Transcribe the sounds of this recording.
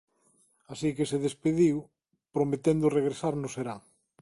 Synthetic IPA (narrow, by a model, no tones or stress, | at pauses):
asikeseðespeðiw | pɾomet̪end̪ʊreɣ̞ɾesaɾnʊseɾaŋ